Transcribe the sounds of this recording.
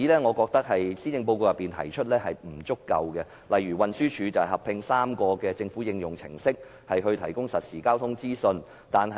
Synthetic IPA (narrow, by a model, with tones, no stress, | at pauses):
iː˨˥lɛː˥ŋɔ˨˧kɔː˧k̚t̪ɐ˥k̚hɐ˨jsiː˥t͡sɪ˧ŋp̬o˧wko˧jɐ˨pːiː˨nt̪ʰɐ̰˨˩jt͡ʃʰɵ˥t̚lɛː˥hɐ˨jm̩˨˩t͡sʊ˥kːɐ̰˧wkɛ˧ | lɐ˨jɥyː˨˩wɐ˨nsyː˥t͡ʃʰyː˨˧t͡sɐ˨whɐ˨˩hɐ˨pʰɪ˧ŋsaː˥mkɔː˧kɛː˧t͡sɪ˧ŋfu˨˥jɪ˧ŋjʊ˨˩ŋt͡sʰɪ̰˨˩ŋsɪ˥k̚ | hɐ˨jɦɵ˧ɥt̪ʰɐ̰˨˩jkʊ˥ŋsɐ˨t̚siː˨˩kaː˥wt̪ʰʊ˥ŋt͡siː˥sɵ˧n | t̪aː˨nɦɐ˨